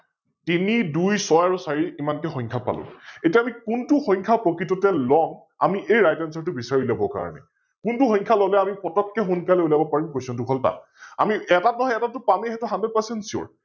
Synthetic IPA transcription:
tinidujsɔjaɹusaɹiimankɛxɔ̃ɲkʰapa̰lʊ̰̃etiaamikuntuxɔɲkʰapɹɔkɹitɔtɛlɔŋ | a̰miʔejɹajtansɔɹtʊbisaɹilabɔka̰ɹɔ̰nɛ̰ | kuntuxɔ̃jŋkʰalɔlɛamipɔtɔkːɛxunkalɛulajbɔpaɹimkojsɔ̃dukʰɔlta̰ | a̰miɛtatɔɦɔɛtatʊpamiɦɛtʊxanded̚pasɛntsiɔ̰ɹ

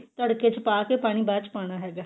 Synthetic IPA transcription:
t̪əɽkeːt͡ʃpaːkeːpaːɽ̃iːbaːt͡ʃpaːɽ̃aːɦɛːɡaː

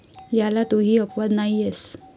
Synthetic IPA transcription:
jalat̪uɦiːəpʋad̪naijes

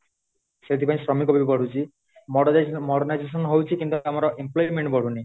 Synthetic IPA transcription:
set̪ʰipaĩsɾɔmikɔbipɔɽ̤ut͡ʃʰi | mɔmɔɽɔnajd͡ʒes̬ɔnɦowt͡ʃʰikint̪uamɔɾɔʔemplɔjmeɳʈbɔɽ̤uni

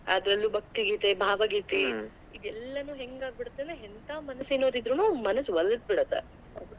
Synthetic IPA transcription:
ɐ̰d̪ɾɐlːuːbʱɐk̚t̪iɡiːt̪ebʱaːʋɐɡiːt̪i | id̪ɛlːɐnuːɦeŋɡaːɡ̚biɽut̪ːeneɦent̪aːmɐnɐsinoːɾid̪ɾunuːmɐnɐsʋɐlːɐd̪̚biɽot̪ːḛ

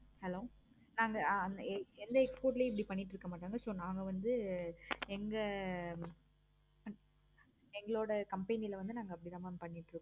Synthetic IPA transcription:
hɛloː | naːŋɡɐnɛnd̪ɐɛkspoːʈ̬ɪleːɪp̬ːɐɽipɐɳːɪʈːɪɾɯkːɐmaːʈːaːŋɡɐsoːnaːŋɡɐʋɐnd̪ɯ | ɛŋɡɐ | ɛŋɡɐɭoːɽɐkɐmpɐɪnɪlɐʋɐnd̪ɯnaːŋɡɐːpːɐɽit̪aːmapɐɳːɪʈːɾɯkː

